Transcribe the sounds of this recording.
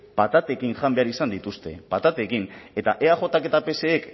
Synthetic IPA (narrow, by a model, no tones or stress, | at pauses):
pat̪at̪e̞kinʝambe̞aɾisand̪it̪ust̪e̞̰pat̪at̪e̞kine̞t̪aʔe̞aʝo̞t̪ake̞t̪ape̞se̞ːk